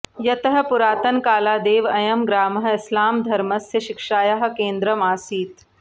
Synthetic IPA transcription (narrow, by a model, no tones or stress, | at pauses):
jɐt̪ɐɦɐ̆puɾaːt̪ɐnkaːlaːd̪eːʋɐjɐmɡɾaːmɦɐ̆ɪslaːmd̪ʱɐɾmɐsjɐʃɪkʂaːjɐɦɐ̆keːnd̪ɾɐmaːsiːt̪